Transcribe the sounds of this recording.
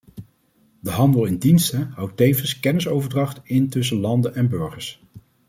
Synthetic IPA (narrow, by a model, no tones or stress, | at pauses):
dəɦɑndəlˠɪndinstəɦʌwtejfvənskɛnɪsowvəɹdrɑχtɪntɵs̬əlɑndənɛnbɵɹχəɹs